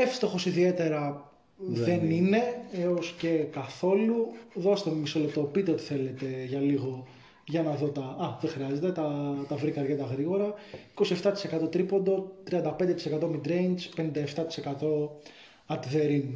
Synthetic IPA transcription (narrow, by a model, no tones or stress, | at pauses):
efst̪o̞xo̞siðie̞t̪e̞ɾɐ | ðe̞nine̞e̞o̞sce̞kɐθo̞luðo̞se̥t̪emmiso̞lep̚t̪o̞pit̪e̞o̞t̪i̥θe̞le̞t̪e̞ʝɐliɣo̞ | ʝɐnɐðo̞t̪ɐɐðexɾiɐze̞t̪e̞t̪ɐt̪ɐvɾikɐɾɣed̪ɐɣɾiɣo̞ɾɐiko̞sie̞ft̪ɐt̪ise̞kɐt̪o̞t̪ɾipo̞nd̪o̞t̪ɾiɐnd̪ɐpe̞nd̪e̞t̪isekɐt̪o̞mid̪ɾe̞jnspe̞nind̪ɐeft̪ɐt̪i̥se̞kɐt̪o̞ | ɐt̪iðe̞ɾin